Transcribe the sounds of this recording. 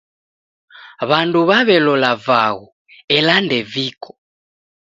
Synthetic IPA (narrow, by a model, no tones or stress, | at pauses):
βanduβaβɛlɔlavaɣɔ | ɛlandɛvikʰɔ̥